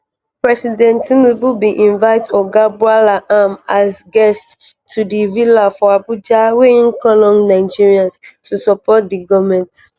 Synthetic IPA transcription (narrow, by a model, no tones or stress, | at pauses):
pɹɛsidɛ̃ntunububiʔĩnvaɪtɔɡabualaʔamasɡɛst | tːudivilafɔabud͡ʒaweĩnkɔlɔ̃ŋnaɪd͡ʒiɹiãnstusɔpɔt̚diɡɔvmɛ̃nts